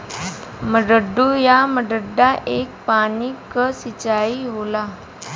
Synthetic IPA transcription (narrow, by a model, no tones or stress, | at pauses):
məɖəɖujaməɖəɖːaʔek̚panikːəsit͡ɕaiɦola